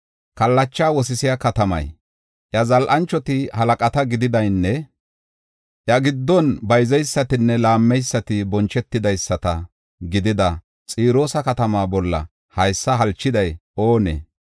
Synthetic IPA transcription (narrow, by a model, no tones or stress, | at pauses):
kɐlːɐt͡ʃːaːwɔs̬ɪsɪjakɐt̪ɐmɐ̰j | ʔjɐzɐlʔɐnt͡ʃːɔt̪ɪhɐlɐkʼɐt̪ɐɡɪd̪ɪd̪ɐjnːɛ | ʔjɐɡɪd̪ːɔnbɐjzɛjsːɐt̪ɪnːɛlaːmːɛjsːɐt̪ɪbɔnt͡ʃɛt̪ːɪd̪ɐjsːɐt̪ɐ | ɡɪd̪ɪd̪ɐ | t͡sʼiːɾo̞ːsɐkɐt̪ɐmaːbɔlːɐ̰ | hɐjsːɐɦɐlt͡ʃːɪd̪ɐjʔo̞ːnḛ